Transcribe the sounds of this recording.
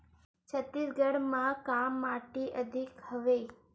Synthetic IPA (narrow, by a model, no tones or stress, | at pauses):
t͡ʃʰət̪ːisɡəɽmãkamːaʈiʔəd̪ʱikhəʋe